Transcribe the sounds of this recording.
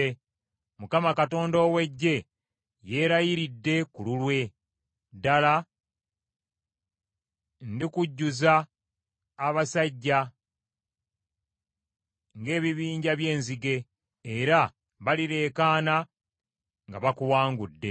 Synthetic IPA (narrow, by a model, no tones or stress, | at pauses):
mukamakato̞ːndo̞ːwe̞ɟːe̞ | je̞ːɾajiɾidːe̞kululwe̞ | dala | ndikuɟːuzaː | βasaɟːa | ŋɡe̞ːβiβiːɲɟaβje̞ːnziɡe̞ː | ɾa | βaliɾe̞ːkaːna | ŋɡaβakuwaːŋɡudːe̞